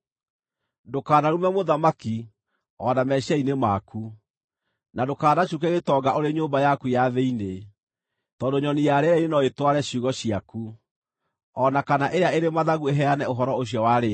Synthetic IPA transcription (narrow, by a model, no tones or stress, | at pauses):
dokaːnaɾumɛmoðamaki | ɔnamɛɕainemaku | nadokaːnaɕuk̬ɛɣetɔɡaʔoɾeɲoːmbajakujaðeine | tɔːndoɲɔnijaɾeainenɔetwaɾɛɕuɣɔɕiaku | ɔnakanaʔeɾeaeɾemaðaɣueɦɛanɛoɦɔɾɔoɕ̬jɔwaɾe